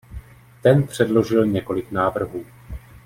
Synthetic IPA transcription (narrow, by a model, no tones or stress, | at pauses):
t̪ɛnpr̥ɛdlo̞ʒɪlɲɛko̞lɪknaːvr̩ɦuː